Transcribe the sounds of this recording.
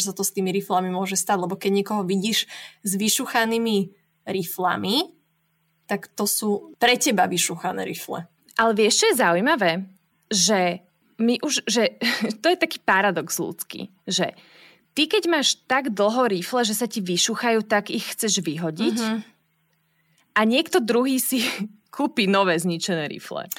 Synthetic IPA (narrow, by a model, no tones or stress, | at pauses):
sat̪ɔst̪iːmiɾiflamimʊɔʒɛst̪aːɟlɛbɔkɛɟɲɪɛkɔɦɔʋiɟiːʃzʋiʃuxaniːmi | ɾifla̰mi | t̪akt̪ɔsuːpɾɛcɛbaʋiʃuxanɛ̰ɾiflɛ̰ | ʔalɛʋɪɛʃt͡ʃɔjɛzaujmaʋɛː | ʒɛ | miʔuʒʒɛt̪ɔjɛt̪akiːpaɾad̪ɔɡz̥lṵːt͡skḭ | ʒɛ̰ | t̪ikɛɟmaːʃt̪aɡd̪l̩ˠɦɔɾiflɛʒɛsaciʋiʃuxajuːt̪aɡixxt͡sɛʒʋiɦɔɟic | ʔaɲɪɛkt̪ɔd̪ɾuɦiːsikʰuːpiːnɔʋɛːzɲit͡ʃɛnɛːɾḭflɛ̰